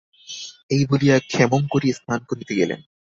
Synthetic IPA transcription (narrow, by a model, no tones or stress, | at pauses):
ejbolijakʰɛmoŋkoɾiest̪ʰankoɾnit̪eɡelḛn